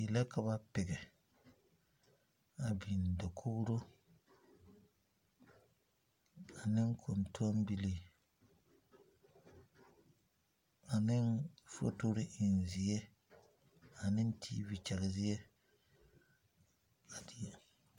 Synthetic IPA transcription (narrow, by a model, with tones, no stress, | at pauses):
i˨la˦ka˨ba˦pɛ˨ɡɛ˨ | a˨bi˨n˨do˨kʰʊ˦bɾo˦ | a˨nɪ˦ŋ˦kʰo˨ntu˦o˦mbi˦li˨ | a˨nɪ˦nfo̰˦to˦ɾɪ˦ʔɪ˨n˨zɪ˨e˦ | a˨nɪ˦n˦tʰḭː˦bi˨t͡ʃɛ˨ɣɪ˨zɪ˦je˦ | a˨di˦˨